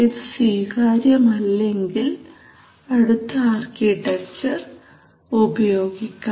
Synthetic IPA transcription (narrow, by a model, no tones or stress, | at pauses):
iðswiːhaːɾjɐmɐlːe̞ŋɡil | ɐɽut̪ʰːɐaːrkiʈːek̚t͡ɕɐr | ubɐjo̞ːɡikʲːa